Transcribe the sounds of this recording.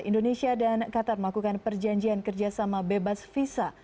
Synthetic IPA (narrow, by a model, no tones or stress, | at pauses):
ḭndonesiadankat̪arməlakukanpərd͡ʒaɲd͡ʒiankərd͡ʒasamabebasfisa